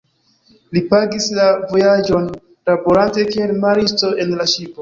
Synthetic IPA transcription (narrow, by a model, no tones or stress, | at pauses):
lipaɡislavo̞jad͡ʒo̞n | ɾabo̞ɾante̞kie̞lmaɾisto̞ʔe̞nlaʃipo̞